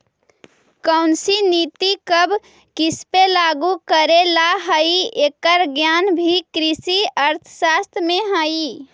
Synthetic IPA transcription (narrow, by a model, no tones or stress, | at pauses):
kəʊnsinit̪ikəb | kispelaɡukəɾelaɦəiekəɾɡjanbʱikɾisiəɾt̪ʰəsast̪ʰmeɦəi